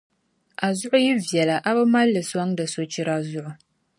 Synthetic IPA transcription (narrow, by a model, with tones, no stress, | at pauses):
a˨zʊ˦ʔʊ˦ji˦vjɛ˨la˨ʔa˦ba˦ma˦lːɨ˨sa˦ŋdɨ˨so˦t͡ʃi˦ɾa˦zʊ˦ʔʊ˨